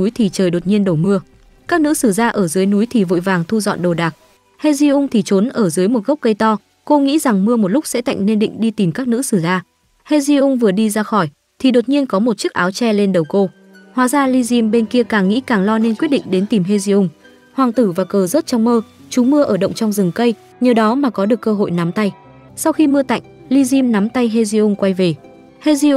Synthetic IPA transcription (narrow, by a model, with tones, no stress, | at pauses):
u˨˦jt̪ʰi˨˩t͡ɕəː˨˩jɗo˨˩t̚ɲi˧ənɗə˨˩wmɨ˧ə | kaː˦˥k̚nɨ̰˧˥sɨ˧˩zaː˧ʔəː˧˩zɨː˨˦jnu˨˦jt̪ʰi˨˩vo̰˧˨jvaː˨˩ŋt̪ʰu˧zɔ̰˧˨nɗo˨˩ɗaː˨˩k̚ | he˧zi˧ʔʊ˧ŋ͡mt̪ʰi˨˩t͡ɕo˨˦nʔəː˧˩zɨː˨˦jmo˨˩t̚ɣə˦˥wk͡p̚kə˧jt̪ɔ˧ | ko˧ŋḭ˧˥za˨˩ŋmɨ˧əmo˨˩t̚lʊ˦˥k͡p̚sɛ̰˧˥t̪a̰˧˨jŋ̟ne˧nɗḭ˧˨ŋ̟ɗi˧t̪i˨˩mkaː˦˥k̚nɨ̰˧˥sɨ˧˩zaː˧ | he˧zi˧ʔʊ˧ŋ͡mvɨ˨˩əɗi˧zaː˧xɔ˧˩j | t̪ʰi˨˩ɗo˨˩t̚ɲi˧ənkɔ˨˦mo˨˩t̚t͡ɕɨ˦˥k̚ʔaː˨˦wt͡ɕɛ˧le˧nɗə˨˩wko˧ | hwaː˨˦zaː˧li˧zi˧mɓe˧nki˧əkaː˨˩ŋːḭ˧˥kaː˨˩ŋlɔ˧ne˧nkwt̚ɗḭ˧˨ŋ̟ɗe˨˦nt̪i˨˩mɦe˧zi˧ʔʊ˧ŋ͡m | hwaː˨˩ŋt̪ɨ˧˩vaː˨˩kəː˨˩zə˦˥t̚t͡ɕɔ˧wŋ͡mməː˧ | t͡ɕu˨˦mɨ˧əʔəː˧˩ɗə̰˧˨wŋ͡mt͡ɕɔ˧wŋ͡mzɨ˨˩ŋkə˧j | ɲəː˨˩ɗɔ˨˦maː˨˩kɔ˨˦ɗɨ˨˩əkːəː˧ɦo̰˧˨jna˨˦mt̪a˧j | sa˧wxi˧mɨ˧ət̪a̰˧˨jŋ̟li˧zi˧mna˨˦mt̪a˧jɦe˧zi˧ʔʊ˧ŋ͡mkwa˧jve˨˩ | he˧zi˧ʔ